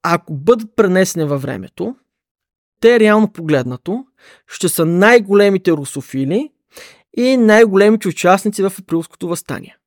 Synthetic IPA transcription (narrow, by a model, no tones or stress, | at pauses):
akobɤd̪ət̪̚pɾɛnɛsɛnivɐvɾɛ̰mɛ̰t̪o | t̪ɛːɾɛalˠnopoɡlɛd̪nɐt̪o | ʃt̪ɛsənajɡolɛmit̪ɛɾosofili | inajɡolɛmit̪ɛʊt͡ʃasnit̪sivɐfɛpɾilˠsko̥t̪ovɐst̪a̰nʲḭɛ